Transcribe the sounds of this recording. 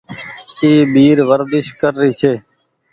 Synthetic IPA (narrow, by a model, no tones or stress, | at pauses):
iːbiːɾʋəɾd̪ɪʃkəɾːiːt͡ʃʰeː